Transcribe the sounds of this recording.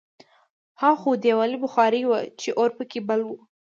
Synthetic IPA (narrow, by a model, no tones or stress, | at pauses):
hɑxud̪ewɑlibʊxɑɾiwat͡ʃeʔoɾpəkebəlwu